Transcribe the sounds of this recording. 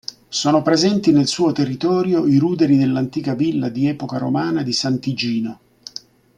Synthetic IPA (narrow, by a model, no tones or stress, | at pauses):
soːnopɾezɛnt̪inelsuːot̪erːit̪ɔːɾjoiɾuːd̪eɾid̪elːant̪iːkavilːad̪iɛːpokaɾomaːnad̪isant̪id͡ʒiːno